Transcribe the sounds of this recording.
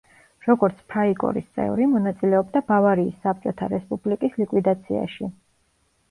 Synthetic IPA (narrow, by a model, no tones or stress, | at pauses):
ɾɔɡɔɾt̪sʰpʰɾaikʼɔ̰ɾist̪sʼɛ̰vɾimɔnat̪sʼilɛɔbd̪abavaɾiːsːap̚t͡ʃʼɔt̪ʰaɾɛspʼublikʼislikʼwid̪at̪sʰia̰ʃi